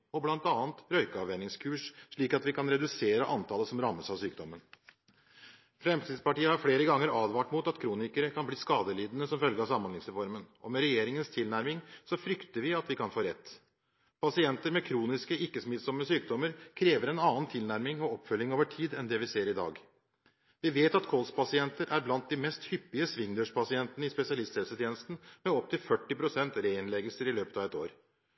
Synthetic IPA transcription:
ɔblɑnt̪ɑːənt̪ɾœʏkəɑʋɛnɪŋskʰʉːʂʂɭiːkɑt̪ʋɪkʰɑnɾɛd̪ʉseːɾəʔɑnt̪ʰɑːləsɔmɾɑmːəsɑʋsyːkd̪ɔmːən | fɾɛmst̪ʰiːd̪spɑʈiːəhɑɾfleːɾəɡɑŋːəɾɑːd̪ʋɑːʈmut̪ɑt̪kʰɾuːnɪkəɾəkʰɑnbliːskɑːd̪əliːd̪ənəsɔmfœlɡəɾɑsɑmːɑnɪŋsɾɛfɔɾmənʔɔmɛɾɛjeːɾɪŋənst̪ʰɪlnæɾmɪŋsɔfɾʏkt̪əɾʋɪɑt̪ʋɪkʰɑnfoːɾɛt̪ː | pʰɑsɪɛnt̪əɾmɛkʰɾuːnɪskəɪkːəsmɪt̪sɔmːəsyːk̚d̪ɔməɾkʰɾeːʋəɾɛnɑːnt̪ʰɪlnæɾmɪŋɔɔpːfœljɪŋoːʋəʈʰiːd̪ɛnd̪ɛʋɪseːɾɪd̪ɑ̰ːɡ | ʋɪʋeːt̪ɑt̪kʰɔlspʰɑsɪɛnt̪əɾʔæɾblɑnt̪̚d̪ɪmɛst̪hʏpːɪəsʋɪŋd̪əʂpʰɑsɪɛnt̪ənəɪspɛsɪɑlɪst̪hɛlsət̪ʰjeːnəst̪n̩mɛɔp̚t̪ʰɪlfœʈːɪpɾʊsɛnt̪ɾeɪnlɛɡəlsəɾɪløːpə̥t̪ɑʋɛt̪ːo̰ːɾ

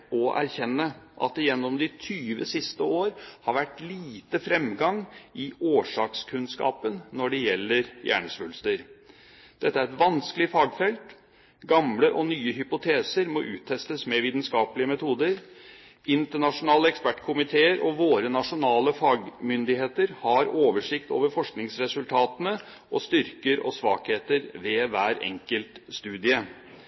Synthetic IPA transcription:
ɔʔæ̰ɾçɛnːəʔɑ̰t̪ɪjɛnːɔmd̪ɪt̪ʰyːʋə̰sɪst̪əoːɾhɑɾʋæʈliːt̪əfɾɛmɡɑŋɪoːʂɑːkskʰʉnskɑ̰ːpənːɔɖɛjɛlːəɾjæ̰ːɳəsʋʉlst̪əɾ | d̪̥ɛt̪ːəæɾɛt̪ʋɑnskəlɪfɑːɡfɛlt̪ | ɡɑmləʔɔnyːəɦʏpʊt̪ʰeːsəɾmɔʔʉ̰ːt̪ʰːɛst̪əsmɛʋiːt̪nskɑːpəlɪəmɛt̪ʰuːd̪əɾ | ɪnt̪əɳɑʂʊnɑːləɛkspæʈːkʰʊmɪt̪ʰeːəɾʔɔʋoːɾənɑʂʊnɑːləfɑːɡmʏnd̪ɪheːt̪əɾhɑɾoːʋəʂɪkt̪o̰ːʋəɾfɔʂknɪŋsɾɛsʉlt̪ʰɑːt̪ənə | ʔɔst̪ʏɾkəɾɔ̰sʋɑ̰ːkheːt̪əɾʋeːʋæːɾɛ̰ŋkəlt̪st̪ʉːd̪ɪə

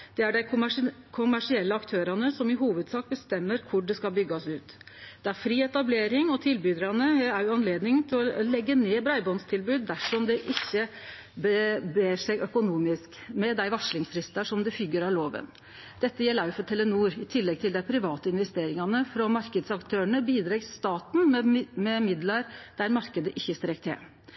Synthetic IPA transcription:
d̪̥ɛæɖæɪkʰʊmæʂɪɛlːəɑkt̪ʰøːɾɑnəsɔmɪɦuːʋəd̪sɑːk̚bəst̪ɛmːəɾkʰʊɖɛskɑlbʏɡːɑsʉːt̪ | d̪̥ɛæɾfɾiːɛt̪ɑbleːɾɪŋɔt̪ʰɪlbyd̪ɾɑnəæɾjʊɑnleːd̪nɪŋt̪ʰɪlɔlɛɡːəneːbɾɑɪbɔnst̪ʰɪlbʉːd̪̚ːæʂɔmd̪ɛʔɪçːə | bəbeːʂɛɡʔœkʊnuːmɪskmɛd̪æɪʋɑʂlɪŋsfɾɪst̪ɑʂɔmd̪ɛfʏɡːəɾɑloːʋə̰n | d̪̥ɛt̪ːəjɛːlɑʉfɔt̪ʰɛlənuːɾɪt̪ʰɪlːɛɡ̚t̪ʰɪld̪æɪpʰɾɪʋɑːt̪əɪnʋɛst̪eːɾɪŋɑnəfɾɔmɑɾkəd̪sɑkt̪ʰøːəɳəbiːd̪ɾɛɡst̪ɑːt̪n̩mmɛmɪd̪lɑɾd̪̥æɾmɑɾkəd̪əʔɪçːəst̪ɾɛk̚t̪ʰɛ̰

